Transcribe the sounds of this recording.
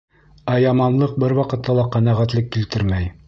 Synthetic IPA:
æjɑmɑnlˠɤq̚bɘɾwɑqɤ̆t̪ːɑlˠɑqæ̆næʁæt̪lɘkːilt̪ɘɾmæj

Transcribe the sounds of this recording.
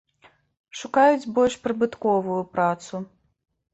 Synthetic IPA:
ʂukajud͡zʲbɔlʲʂpɾɨbɨt̪kɔvujupɾat̪su

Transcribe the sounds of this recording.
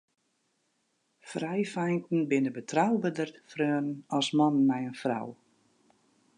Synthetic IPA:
frɛjfɛjntn̩bɪnəbətʰrawbədərfrøːənənɔsmɔnnmɛjənfra̰w

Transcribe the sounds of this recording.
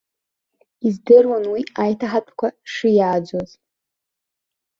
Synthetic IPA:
izdɨrwanwiajtʰaħat͡pʷʼkʷʰaʂɨjaːd͡ʒʷaz̥

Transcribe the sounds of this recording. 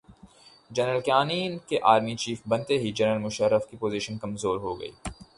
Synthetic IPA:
d͡ʒɛnɾəlkjaːniːnkeʔaːɾmit͡ʃiːfbɐ̃nt̪eɦid͡ʒɐnəlmʊʃəɾːəfkipoːziʃənkɐmzoːɾɦoɡɐ̰ḭː

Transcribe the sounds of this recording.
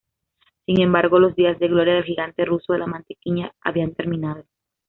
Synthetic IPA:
siŋe̞mbaɾɣo̞lo̞zd̪iazðe̞ɣlo̞ɾjað̞e̞lxiɣant̪e̞rusoðe̞lamãnt̪e̥kiɲaa̰βiant̪e̞ɾmĩnað̞o̞

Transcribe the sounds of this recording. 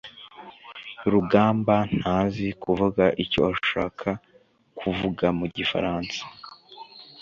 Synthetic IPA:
ɾuɡaːmban̥haːzikuvuɡaʔicowaʃa̰ːkʰa | kʰuvuɡamuɟifa̰ɾaːnsḁ

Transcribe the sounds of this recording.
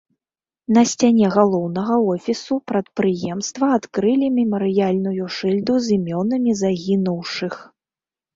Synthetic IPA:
nɐsʲt͡sʲanʲɛɣalˠɔwnɐɣɐɔfʲisupɾɐt̪̚pɾɨjɛmst̪vɐat̪kɾɨlʲimʲɛmɐɾɨjalʲnujuʂɨlʲd̪uzʲimʲɔnɐmʲizaɣʲinuwʂɨx

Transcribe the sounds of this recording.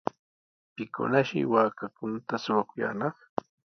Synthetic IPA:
pɪkʊ̰naʃɪ̰waːkakʊnat̪asʊwakʊja̰ːnɑχ

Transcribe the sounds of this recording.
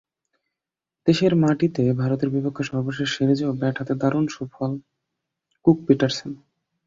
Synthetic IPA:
d̪̥eʃeɾmaʈit̪ebʱaɾot̪eɾbipokʰːoʃɔbʱaboʃeʃeɾed͡ʑeobɛʈʰat̪ed̪aɾunʃubfɔl | kuk̚piʈaɾsen

